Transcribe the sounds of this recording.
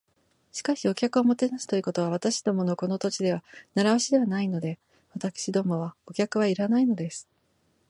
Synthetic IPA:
ɕi̥kaɕio̞kʲakɯ̟o̞mo̞t̪e̞nasɨ̥t̪o̞iɯ̟ko̞t̪o̞β̞aβ̞at̪aɕi̥d̪o̞mo̞no̞ko̞no̞t̪ot͡ɕid̪e̞β̞anaɾaβaɕid̪e̞βanaino̞d̪e̞ | βat̪akɯ̥ɕid̪o̞ːmo̞βao̞kʲakɯ̟β̞aiɾanaino̞d̪e̞sɨ̥

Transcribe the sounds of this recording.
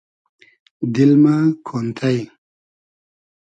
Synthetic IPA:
d̪ilmakʰont̪ʰaj

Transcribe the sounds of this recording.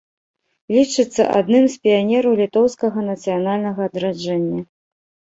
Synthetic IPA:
lʲit͡ʂɨt̪sːɐ̰ʔa̰d̪nɨmspʲijanʲɛɾɐwlʲit̪ɔwskɐɣɐnɐt̪sɨjanalʲnɐɣɐːd̪ɾad͡ʐɛnʲːɐ

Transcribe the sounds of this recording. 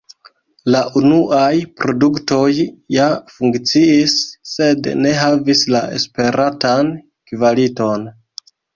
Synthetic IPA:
laʔunuʔajpɾo̞dukto̞jːafuŋkt͡siisːe̞dne̞ɦavislae̞̰spe̞ɾʔatan | kvalito̞n

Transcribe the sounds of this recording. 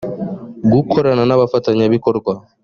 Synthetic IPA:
ɡukʰoɾananaβafataɲaβikɔɾɡwa

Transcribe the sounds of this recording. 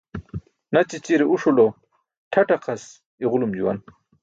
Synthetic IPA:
nat͡ɕit͡ɕiɾeʔuʂulo | ʈʰɐʈɐqʰɐs | iʁʊlumd͡ʑuwa̰n

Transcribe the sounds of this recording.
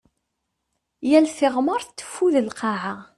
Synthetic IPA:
jælθɪʁməɾˤt̪ːə̥fːuðəlqɑʕa

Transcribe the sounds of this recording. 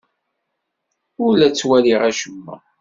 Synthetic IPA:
ʊɾlæt͡sːwæliʁæʃəmːæ̰

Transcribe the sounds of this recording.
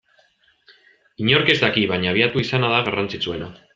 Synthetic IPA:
iɲoɾkezd̪akiβaɲaːβ̞iat̪uisanað̞aɣarant͡sit͡sue̞na

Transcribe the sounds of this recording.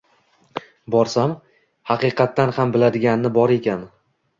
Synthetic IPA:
bɒɾsam | hɑqɨqʰɑt̪ːanhambɪlad̪ɪɡʲanɪnɪbɒɾe̞kʲan

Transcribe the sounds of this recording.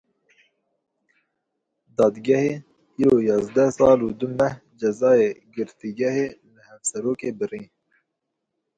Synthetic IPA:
d̪ɑːd̪ɡɛheː | iːɾoːjɑːzd̪ɛsɑːluːd̪ʊmɛhd͡ʒɛzɑːeːɡɨɾt̪iɡɛheːmɨhɛvsɛɾoːkeːbɨɾĩː

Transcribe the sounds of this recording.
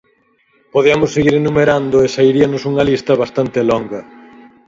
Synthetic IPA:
poðeɐmʊsːeɣiɾenumeɾand̪ʊesaiɾiɐnʊsuŋɐlist̪ɐβast̪ant̪elɔŋɡɐ

